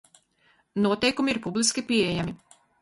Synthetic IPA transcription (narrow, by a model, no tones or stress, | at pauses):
nuɔt̪ɛjkumiiɾpublˠiskʲipʲiɛejami